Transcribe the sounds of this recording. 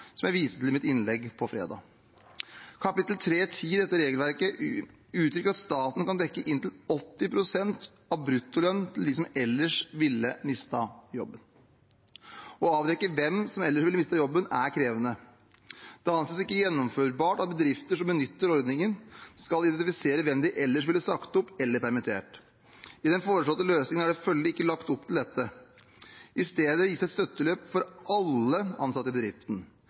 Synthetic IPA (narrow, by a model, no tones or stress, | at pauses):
sɔmjæɪʋiːsət̪lɪl̩mɪt̪ɪnlɛɡːpʰɔfɾḛːd̪ɑ̰ː | kʰɑpɪt̪l̩t̪ʰɾeːt̪ʰiːd̪ɛt̪ːəɾeːɡəlʋæɾkə | ʉːt̪ʰɾʏkːəɾɑt̪st̪ɑːt̪n̩kɑnd̪ɛkːəʔɪnt̪ʰɪlɔt̪ːɪpʰɾʊsɛnt̪ | ɑʋbɾʉt̪ːʊlœnːt̪ʰɪld̪ɪsɔmɛlːəʂʋɪlːəmɪst̪ɑjɔ̰bːən | ɔɑːʋd̪ɛkːəʋɛmsɔmɛlːəʂʋɪləmɪst̪əjɔbːənæɾkʰɾeːʋənə | d̪̥ɛɑnsesɪkːəjɛnːɔmføːɾbɑːʈɑt̪̚bəd̪ɾɪft̪əʂɔmbənʏt̪ːəɾɔɾd̪nɪŋənskɑlɪd̪ɛnt̪ɪfɪseːɾəʋɛmd̪ɪʔɛlːəʂʋɪlɪsɑkt̪ʊpːɛlːəɾpæɾmɪt̪ʰḛːʈ | ɪd̪ɛnfoːɾəʂɭɔt̪ːəløːsnɪŋənæɖɛfœld̪ɪɪkːəlɑkt̪ɔp̚ːt̪ʰɪl̩d̪ɛt̪ːə | ʔɪst̪eːd̪əjɪsæɛt̪st̪œt̪ːəløːpfɔɾɑlːəɑ̰nsɑt̪ːəbəd̪ɾɪft̪n̩